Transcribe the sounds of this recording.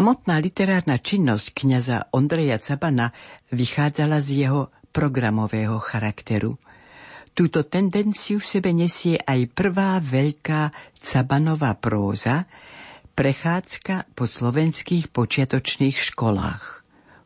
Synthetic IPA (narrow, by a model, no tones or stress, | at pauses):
samɔt̪naːlit̪ɛɾaːɾnat͡ʃinːɔsckɲaza̰ʔɔnd̪ɾɛjat͡sabanaʋixaːd͡zalazjɛɦɔpɾɔɡɾamɔʋɛːɦɔxaɾakt̪ɛɾṵ | t̪uːt̪ɔt̪ɛnd̪ɛnt͡sijufsɛbɛɲɛsɪɛʔajpr̩ʋaːʋɛʎkaːt͡sabanɔʋaːpɾɔːza | pɾɛxaːt͡skapɔslɔʋɛnskiːxpɔt͡ʃɪat̪ɔt͡ʃniːxʃkɔla̰ːx